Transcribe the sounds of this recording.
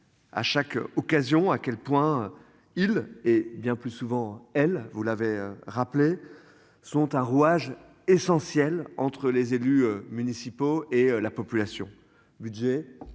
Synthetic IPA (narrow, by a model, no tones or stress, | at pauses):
a̰ʃakɔkazjɔ̃akʲɛlpwɛ̃ | ilebjɛ̃plysuvɑ̃ɛlvulaveø̰ʁaple | sɔ̃t̪ɛ̃ʁuaʒ | esɑ̃sjɛlɑ̰̃t̪χəlezelyømynisipoeølapɔpylasjɔ̃ | byd̪ʒe